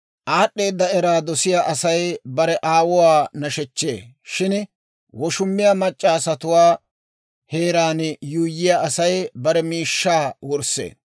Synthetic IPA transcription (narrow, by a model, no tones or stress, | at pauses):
ʔaːɗːe̞ːd̪ːɐɛɾaːd̪ɔsɪjaʔɐsɐjbɐɾɛʔaːwɔwaːnɐʃɛt͡ʃːḛː | ʃɪn | wɔʃʊmːɪjamɐt͡ʃʼːaːsɐt̪ʊwaː | he̞ːɾaːnjuːjːɪjaʔɐsɐjbɐɾɛmiːʃːaːwɔɾsḛː